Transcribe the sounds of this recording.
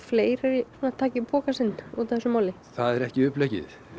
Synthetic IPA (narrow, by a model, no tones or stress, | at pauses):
fleːjɾaɾisunat̪ʰaːcɪpʰɔːkasɪnːut̪θɛsːʏmaːwlɪ | θaðɛɾɛhcɪʏplɛjcɪ̰θ